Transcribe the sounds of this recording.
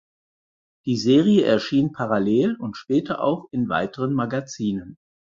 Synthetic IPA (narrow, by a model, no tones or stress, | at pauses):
d̥iːzeːʁijəʔɛɐʃiːnpʰaʁaleːlʊntʃpɛːtʰɐʔa̰ʊxɪnva̰ɪtəʁ̞ənmaɡat͡siːnən